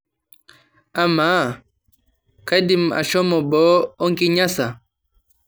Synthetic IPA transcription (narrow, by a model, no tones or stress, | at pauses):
ʔama | kadima̰ʃɔmɔbɔːɔŋkiɲasa